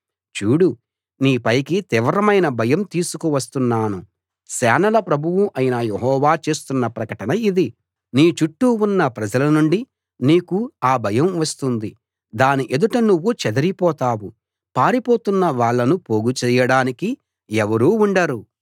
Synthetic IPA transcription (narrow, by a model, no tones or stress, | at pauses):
t͡ʃuːɽu | niːpɐjkit̪ɪʋɐɾɐmɐjnɐbʱɐjɐmt̪iːsukuʋɐs̬t̪unːaːnu | sɛːnɐlɐpɾɐbʱuwuʔɐjinɐjeɦɔːʋaːt͡ʃe̞ːst̪unːɐpɾɐkɐʈɐnɐid̪i | niːt͡ʃuʈːuunːɐpɾɐd͡ʒɐlɐnuɳɖi | niːkuaːbʱɐjɐmʋɐst̪und̪i | d̪aːniʔe̞d̪uʈɐnuʋːut͡ʃɛd̪ɐɾipɔːt̪aːwu | paːɾipoːt̪unːɐʋaːɭːɐnupoːɡut͡ʃɛːjɐɽaːniki | ɛʋɐɾuːuɳɖɐɾu